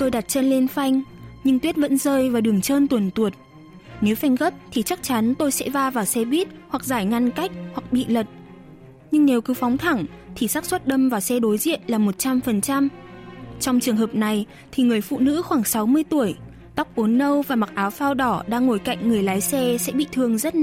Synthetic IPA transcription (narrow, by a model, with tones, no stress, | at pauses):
t̪o˧jɗa˨˩t̚t͡ɕə˧nle˧nfa˧jŋ̟ | ɲɨ˧ŋt̪wət̚və̰˧˥nzəː˧jvaː˨˩ɗɨ˨˩əŋt͡ɕəː˧nt̪wə˨˩nt̪u˨˩ət̚ | ne˨˦wfa˧jŋ̟ɣə˦˥p̚t̪ʰi˨˩t͡ɕa˦˥k̚t͡ɕa˨˦nt̪o˧jsɛ̰˧˥vaː˧vaː˨˩wsɛ˧ɓi˦˥ət̚hwa˨˩k̚zaː˧˩jŋa˧nka˦˥jk̚hwa˨˩k̚ɓḭ˧˨lə˨˩t̚ | ɲɨ˧ŋne˨˦wkɨ˨˦fɔ˨˦wŋ͡mt̪ʰa˧˩ŋ | t̪ʰi˨˩saː˦˥k̚swə˦˥t̚ɗə˧mvaː˨˩wsɛ˧ɗo˨˦jzḭ˧˨ənlaː˨˩mo˨˩t̚t͡ɕa˧mfə˨˩nt͡ɕa˧m | t͡ɕɔ˧wŋ͡mt͡ɕɨ˨˩əŋɦəː˨˩p̚na˨˩j | t̪ʰi˨˩ŋɨ˨˩əjfṵ˧˨nɨ̰˧˥xwaː˧˩ŋsa˨˦wmɨ˧əjt̪u˧˩əj | t̪a˦˥k͡p̚ʔo˨˦nːə˧wvaː˨˩ma˨˩k̚ʔaː˨˦wfaː˧wɗɔ˧˩ɗa̰ː˧ŋːo˧˩jka̰˧˨jŋ̟ŋɨ˨˩əjlaː˨˦jsɛ˧sɛ̰˧˥ɓḭ˧˨t̪ʰɨ˨˩əŋzə˦˥t̚